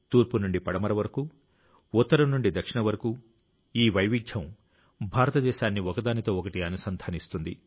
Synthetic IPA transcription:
t̪uːɾpunuɳɖipɐɽɐmɐɾɐʋɐɾɐku | ut̪ːɐɾɐmnuɳɖid̪ɐkʂiɳɐʋɐɾɐku | iːʋɐjʋiɡjɐm | bʱaːɾɐt̪ɐd̪ɛːʃaːnːiɔkɐd̪aːnit̪o̞ːɔkɐʈiɐnusɐnd̪ʱʰaːnist̪und̪ḭ

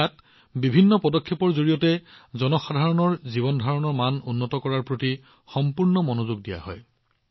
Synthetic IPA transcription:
at | bibʱinːɔpɔdɔkʰːepɔɹzoɹijɔtɛzɔnɔxadʱaɹɔnɔɹziβɔndʱaɹɔnɔɹmanunːɔtɔkɔɹaɹpɹoti | xɔmpuɹnɔmɔnozuɡdija̰ɦɔj

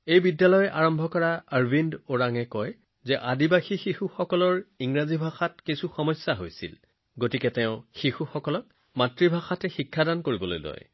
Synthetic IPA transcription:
ejbidːalɔjɛʔaɹɔmbʱɔkɔɹaaɹvindoɹaŋɛkɔj | zɛʔadibaxixixuxɔkɔlɔɹiŋɹazibʱaxatkisuxɔmɔsjaɦojsḭl | ɡotikɛtɛʊ̃xixuxɔkɔlɔk̚ | matɹibʱaxatɛxikʰːadankoɹibɔlo̰jlɔ̰j

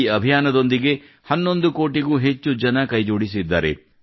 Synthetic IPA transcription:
ɐbʱijaːnɐd̪o̞nd̪iɡe̞ | hɐnːo̞nd̪uko̞ːʈiɡuːɦe̞t͡ʃːud͡ʒɐnɐkɐjd͡ʒoːɽisid̪ːa̰ːɾe̞̰

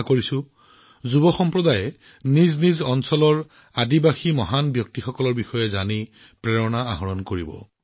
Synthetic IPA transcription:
koɹisʊ̃ | zubɔxɔmpɹɔdajɛ | niznizɔnsɔlɔɹ | adibaximɔɦanbjɔk̚tixɔkɔlɔɹbixɔjɛzani | pɹɛɹɔnaaɦɔɹɔnkoɹibɔ̰

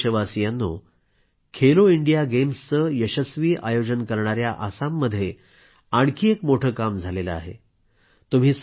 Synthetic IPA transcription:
ɕəʋasijanːo | kʰeloiɳɖijaɡemst͡səːjəɕəsʋiːʔajod͡ʑənkəɾɳ̃aɾjaʔasamːəd̪ʱːje | aɳkʰiːekmoʈʰəːkamd͡zʱaleləa̰ɦḛ | t̪um̤iːs

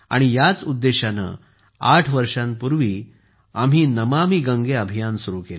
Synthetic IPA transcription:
a̰ɽ̃ijat͡sud̪ːeɕanə̰ | aʈʰʋəɾʂãnpuɾʋiː | am̤iːnəmamiːɡəŋɡeəbʱijansuɾukel

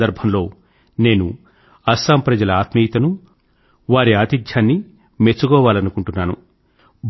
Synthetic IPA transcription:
d̪ɐɾbʱɐmlo̞ː | ne̞ːnu | ɐsaːmpɾɐd͡ʒɐlɐaːt̪mijt̪ɐnu | ʋaːɾiaːt̪id̪ʱjaːnːi | me̞t͡ʃːuɡɔːʋaːlɐnukuɳʈunːaːnṵ | bʱ

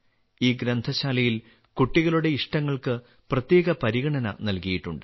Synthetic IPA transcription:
iːɡɾɐnd̪ʱɐɕaːlɐjil | kuʈːiɣɐluɽe̞iʂʈɐŋːɐɭkɨ | prɐt̪je̞ːɣɐpɐɾiɣɐɳɐnɐ̰nɐlkɐjiʈːuɳɖɨ

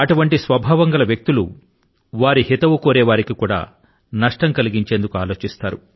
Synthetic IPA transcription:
ɐʈuʋɐɳʈisʋɐbʱaːʋɐŋɡɐlɐʋjɐk̚t̪ulu | ʋaːɾiɦit̪ɐʋukoːɾɛːʋaːɾikikuːɽa̰ː | nɐʂʈɐŋkɐliɡiɲt͡ʃeːnd̪ukuaːlo̞ːt͡ʃist̪aːɾu

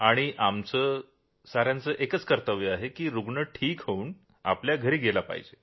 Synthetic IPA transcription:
aɽ̃iʔamt͡səː | saɾjant͡səːʔekət͡skəɾt̪əʋjəaɦekiːɾuɡɳəʈʰiːkɦəuːn | a̰pljaɡʱəɾiːɡelapa̰ɦḭd͡ʑe

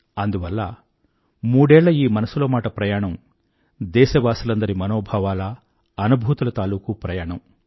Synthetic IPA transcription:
ɐnd̪uʋɐlːɐ | muːɽɛːɭːɐiːmɐnɐsulo̞ːmaːʈɐpɾɐjaːɳɐm | d̪ɛːʃɐʋaːsɐlɐnd̪ɐɾimɐnoːbʱaːʋaːlɐ | ɐnubʱuːt̪ulɐt̪aːluːkupɾɐjaːɳɐm

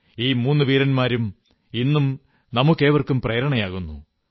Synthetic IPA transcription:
iːmuːnːuʋiːɾɐnmaːɾum | inːum | nɐmukːe̞ːʋɐrkːumpreːɾɐɳɐjaːɣunːṵ

